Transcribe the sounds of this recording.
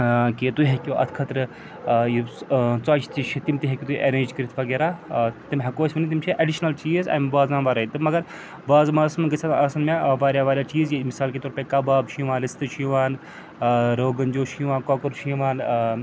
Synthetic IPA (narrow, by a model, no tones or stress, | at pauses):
kit̪uɦekʲoʔɐ̰t̪ʰkʰɐt̪ɾɨ | jit͡saːt͡ʃʰt̪iʃʰit̪imʲt̪iɦekʲit̪uʔeɾeːd͡ʒkɐɾit̪ʰʋɐɡeɾaːt̪imʲɦɐkoːsmɐnit̪imʲt͡ʃʰiʔɐɖiʃnɐlt͡ʃiːzɐ̰ːjmbaːzãːnʋaːɾɐit̪ɨmɐɡɐɾ | baːzmaːsɐmɡɐt͡sʰɐnɐsɐnmeʋaːɾʲjaːʋaːɾʲjaːt͡ʃiːzjimisaːlkeːt̪oːɾpʲekɐbaːbʃiʋaːnlist̪ɨʃʰiʋaːn | ɾoːɡɐnd͡ʒoːʃijʋaːnkoːkɐɾʃiʋaːn